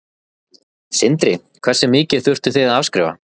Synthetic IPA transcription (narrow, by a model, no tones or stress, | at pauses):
sɪnt̪ɾɪ | kʰv̥ɛrsɛmɪːcɪ̥θʏr̥t̪ʏ̥θɪðaðavskɾɪ̰ːva̰